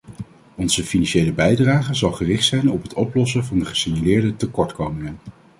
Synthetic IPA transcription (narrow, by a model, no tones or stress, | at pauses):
ɔnz̥əfinɑnʃejləbɛjdraːχəzɑlˠχərɪχtsɛjnɔpɦətɔplɔs̬əvɑndəχə̥siɲjalɪːɹdətəkɔɹtkowmɪŋən